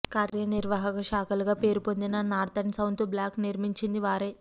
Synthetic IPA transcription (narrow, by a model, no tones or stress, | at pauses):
kaːɾjɐniɾʋaːɦɐkɐʃaːkɐluɡaːpe̞ːɾupond̪inɐnaːɾt̪ɐnsɐwnt̪ublʲjaːkniɾmiɲt͡ʃind̪iʋaːɾe